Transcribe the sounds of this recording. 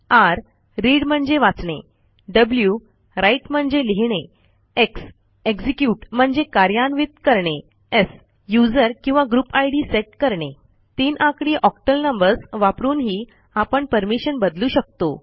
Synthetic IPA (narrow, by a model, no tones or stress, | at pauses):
aɾː | iɽm̤əɳd͡zeʋat͡sɳḛ | ɖəblju | ɾaiʈm̤əɳd͡zeliɦɳe | eks | eɡd͡zikjuʈm̤əɳd͡zekaɾjanʋit̪̚kəɾɳe | es | jud͡zəɾkĩw̃ʋaɡɾupajɽiseʈ̚kəɾɳe | t̪inʔãkɽiːʔɔkʈəlnəmbəɾsʋapɾuːnɦiː | apəɳpəɾmiɕənbəd̪luːɕək̚t̪o